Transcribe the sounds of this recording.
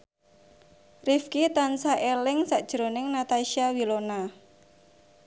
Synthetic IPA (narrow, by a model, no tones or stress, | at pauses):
rifkit̪ansaʔelɪŋsaʔd̥ʒ̥ɾonɪŋnat̪aʃiawilona